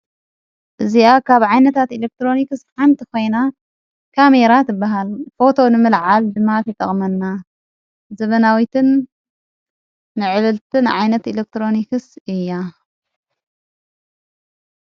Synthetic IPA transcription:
ʔɨziakʰaβʕajnɐt̪ʰat̪ilek̚t̪ɾo̞nikɨsħant̪ʰiko̞jna | kʰame̞ɾat̪ʰɨbːaɦalfo̞t̪ʰo̞nɨmɨlʕald̪ɨmːat̪ʰɐjt̪ʼɐ̰χʼmɐnːa | zɐβɐnawit̪ʰɨn | ɨʕɨlɨlt̪ʰɨnʕajnɐt̪ilek̚t̪ɾo̞nikɨsɨjːa

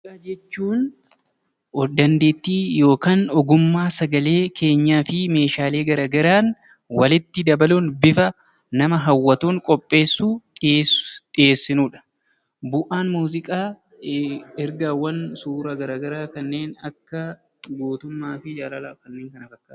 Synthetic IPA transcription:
aːd͡ʒɛt͡ʃːuːn | d̪ɐnd̪e̞ːt̪ːiːjo̞ːkaːnɔɡʊmːaːsɐɡɐle̞ːkʰe̞ːɲːaːfɪme̞ːʃaːle̞ːɡɐɾaːɡɐɾaːn | wɐlɪt̪ːɪd̪ɐbɐluːnbɪfɐ | nɐmɐɦɐwːɐt̪uːŋkʼɔpʼːe̞ːsːuː | ᶑɪje̞ːsːɪnuːᶑɐ̥ | bʊʔaːnmuːzɪkʼaː | ɛɾɡawːɐnsuːɾɐɡɐɾaːɡɐɾaːkɐnːe̞ːnɐkːɐ | ɡoːt̪ʊmːaːfɪd͡ʒaːlɐlaːkɐnːeːŋkɐnɐfɐkːaː

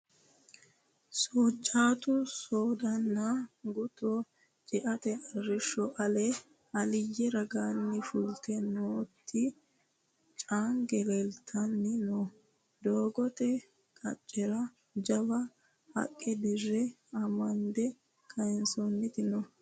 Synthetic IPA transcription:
soːt͡ʃʼːaːt̪ʊsoːd̪ɐnːaɡʊt̪o | t͡ʃʼɪʔɐt̪ɛɐrːɪʃːɔʔɐlɛ | ɐlɪjːɛɾɐɡaːnːɪfʊlt̪ɛnoːt̪ʰːɪ | t͡ʃʼaːŋɡɛlɛlt̪ʰːɐnːɪnɔ | d̪oːɡɔt̪ɛ | kʼɐ̰t͡ʃʼːɛɾɐ | d͡ʒɐbɐ | hɐ̰kʼːɛd̪ɪrːɛ | ɐmɐnd̪ɛ | kʰɐɛnsɔnːɪt̪ɪnɔ

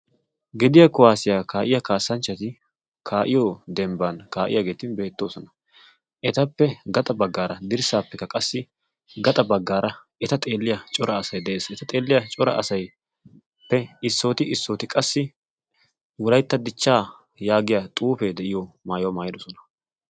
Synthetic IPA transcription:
ɡɛd̪ɪjɐkʊwaːsɪjaːkaːʔɪjɐkaːsːɐnt͡ʃːɐt̪ɪ | kʰaːʔɪjɔd̪ɛmbɐnkaːʔɪ̰jɐɡe̞ːt̪ɪnbe̞ːt̪ːo̞ːsɔnɐ | ʔɛt̪ɐpːɛɡɐt̪ʼɐbɐɡːaːɾɐd̪ɪɾsaːpːɛkːɐkʼɐsːɪ | ɡɐt̪ʼɐbɐɡːaːɾɐ | ɛt̪ɐt̪ʼeːlːɪjɐt͡ʃʼɔɾɐːsɐjd̪ɛʔe̞ːsɛt̪ɐt̪ʼe̞ːlːɪjɐt͡ʃʼɔɾɐ̰ɐsɐj | pːɛɪsːo̞ːt̪ɪɪsːoːt̪ɪkʼɐsːɪ | wɔlɐjt̪ːɐd̪ɪt͡ʃːaː | jaːɡɪjɐt̪ʼuːfe̞ːd̪ɛʔɪjɔmaːjomaːjɪd̪ɔsɔnɐ̥

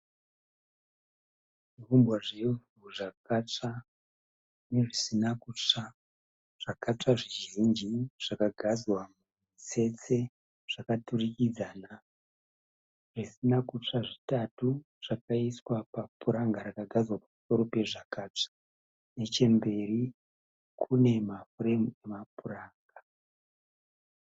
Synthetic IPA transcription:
ʐirumbwaʐe | uʐakat͡ʂa | neʐisinakut͡ʂa | ʐ̥akat͡ʂaʐiʒind͡ʒiʐ̥akaɡʱazwamu | ise̞t͡se̞ | ʐ̥akaturikid͡zaːna | ʐ̥isinakut͡ʂaʐitatu | ʐ̥akaiswapapuɾaŋɡaɾakaɡʱazwapamuso̞ɾo̞pe̞ʐakaːt͡ʂḁ | ne̞t͡ʃe̞mbe̞ri | kʰune̞mafuremue̞mapuraːŋɡa

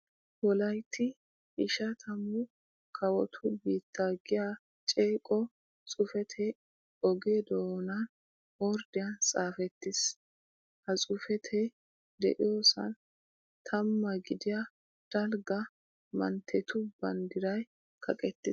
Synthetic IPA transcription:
wɔlɐjt̪ʰːɪ | ʔɪʃɐt̪ʰɐmːʊ | kʰɐwɔt̪ʰʊbiːt̪ːaːɡɪja | t͡ʃʼeːkʼɔ | t͡sʼʊfɛt̪ʰɛ | ɔɡed̪oːnɐn | wɔɾd̪ɪjɐnt͡sʼaːfɛt̪ːɪs | hɐt͡sʼʊfɛt̪ʰɛ | d̪ɛ̰ʔɪ̰jo̞ːsɐ̰n | t̪ʰɐmːɐɡɪd̪ɪjɐ | d̪̥ɐlɡɐ | mɐ̰nt̪ʰːɛt̪ʊbɐnd̪ɪɾɐj | kʰɐkʼɛt̪ːɪs

